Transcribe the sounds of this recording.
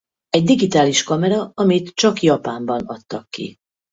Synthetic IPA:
ɛɟd̪iɡit̪aːliʃkɒmɛɾɒɒmit̪t͡ʃɒkjɒpaːmbɒnɒ̰t̪ːɒkːḭ

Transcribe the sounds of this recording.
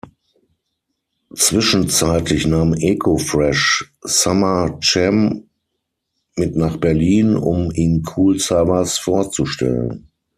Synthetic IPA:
t͡sv̥ɪʃn̩t͡saɪtʰlɪçnaːmʔɛkʰofʁɛʃ | samɐt͡ʃɛm | mɪtnaːχb̥ɛɐliːnʊ̰miːnkʰuːlsavɐsfoːɐt͡suʃtɛ̰lə̰n

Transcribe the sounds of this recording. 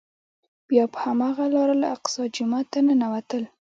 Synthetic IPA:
b̥jɑpə̥hamɑɣalɑɾalaaq̚sɑd͡ʒʊmat̪anənawat̪əl

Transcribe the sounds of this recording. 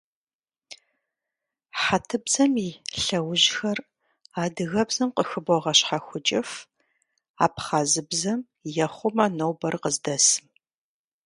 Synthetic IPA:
ħatʰɨbz̥ɐmiːɬɐwʊʑxɐr | aːdɨɣɐbzɐmqəxɨbɔʁɐɕħaxʷʊt͡ʃʼɪf | a̰ːpχaːzɨbzɐm | jɛχʷʊmanowbɐrqəzdɐsɨm

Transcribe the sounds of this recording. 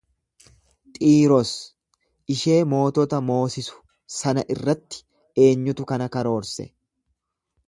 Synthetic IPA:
t̪ʼiːɾɔs | ʔɪʃe̞ːmo̞ːt̪ɔt̪ɐmo̞ːsɪsʊ̥ | sɐnɐʔɪrːɐt̪ːɪ̥ | e̞ːɲːʊt̪ʊkɐnɐkɐɾo̞ːɾsɛ̰

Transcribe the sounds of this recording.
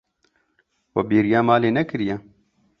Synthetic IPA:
wɐbiːɾijaːmaːleːnɐkɨɾijɛ

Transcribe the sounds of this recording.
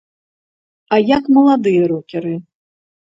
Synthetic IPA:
ɐjakmɐlˠad̪ɨjɐɾɔkʲɛɾɨ

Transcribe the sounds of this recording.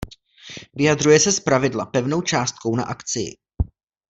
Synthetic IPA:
vɪjadrujɛsɛspɾavɪdlapɛvno̞wt͡ʃaːst̪̚ko̞wna̰ʔakt͡sɪjɪ̰

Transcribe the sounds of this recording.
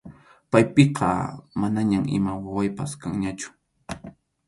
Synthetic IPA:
pajpeqʰɑ̰manaɲamʔɪ̰mawawajpaskaŋɲat͡ʃʊ̥

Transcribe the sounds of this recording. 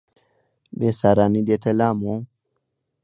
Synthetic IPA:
besaɾanid̪et̪ʰelamo

